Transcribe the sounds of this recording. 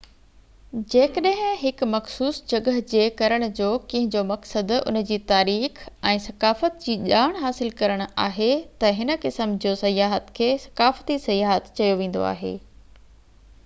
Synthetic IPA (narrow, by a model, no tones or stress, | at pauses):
d͡ʑeːkəɗə̃ɦɪ̃ɦɪkmɐxsuːsd͡ʑɐɡəɦd͡ʑeːkɐɾəɽ̃̆d͡ʑoːkɐ̃ɦɪ̃ɲd͡ʑomɐksəd̪ʊ̰nd͡ʑiːt̪aːɾiːxɛ̃ːsɐkaːfət̪̚d͡ʑiːʄaːɽ̃ɦaːsɪlkɐɾəɽ̃a̰ːɦet̪ɐɦɪnə̆kɪsəmd͡ʑoːsɐjaːɦət̪kʰeːsɐ̥kaːfət̪isɐjaːɦət̪t͡ɕɐjoʋẽːn̆d̪o̰a̰ːɦḛː